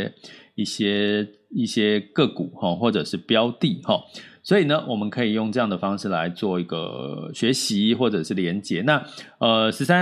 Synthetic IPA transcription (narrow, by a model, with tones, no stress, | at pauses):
i˥˩ɕjɛ˥ | i˥˩ɕjɛ˥kɤ˥˩kṵ˨˩˦hɔ˥˩xwɔ˥˩ʈ͡ʂɤ˨˩ʂɻ̩˥˩˨pjɑ˦ʊt̪i˥˨xɔ˨˩swɔ˧˥i˨˩nə˦wʔɔ˨˩mə˨˦nkʰɤ˧˥i˨˩jo˥˧ŋʈ͡ʂɤ˥˧jɑ˥˩ŋd̪ə˩fɑ˥ŋʂɻ̩˥˩la̰˧˦ɪt͡swɔ˥˩i˧˥ɡə̰˧ɕɥɛ˧˦˥ɕi˧˦xwɔ˥˩ʈ͡ʂɤ˨˩ʂɻ̩˥˩ljɛ˧˦nt͡ɕjɛ˨˩˦na˥˨ə˩ʂɻ̩˧˥sa˦